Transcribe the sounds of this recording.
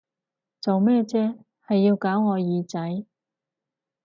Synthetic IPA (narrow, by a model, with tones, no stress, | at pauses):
t͡so˨wmɛː˥t͡sɛː˥ | hɐ˨jːiː˧wkaː˨˥wŋɔː˨˧jiː˨˧t͡sɐ˨˥j